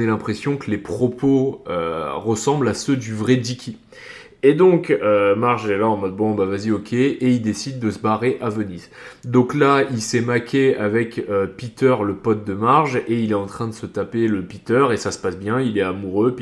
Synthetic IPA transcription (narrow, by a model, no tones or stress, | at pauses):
ɛlɛ̃pχesjɔ̃kəlepχɔpʰoø̰ʁəsɑ̃blasød̪yvʁɛd̪ikʲi | ed̪ɔ̃kømaʁʒɛlaɑ̃mɔd̪̚bɔ̃bavaziɔkʰʲeeild̪esid̪ːəsəbaʁeʔavənizd̪ɔ̃klailsɛmakʲʰeavɛkøpit̪œʁləpɔt̪̚d̪əmaʁʒeilɛtɑ̃t̪χɛ̃d̪əsət̪apeləpit̪œʁesasə̥pasbjɛ̃ilɛamuʁøp